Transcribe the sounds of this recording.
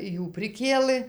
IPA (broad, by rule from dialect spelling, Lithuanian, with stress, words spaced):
ˈjuː pʲrʲɪˈkʲeːlˠɘ